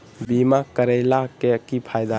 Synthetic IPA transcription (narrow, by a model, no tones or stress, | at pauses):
bimakɐɾejlakːekːipʰajd̪a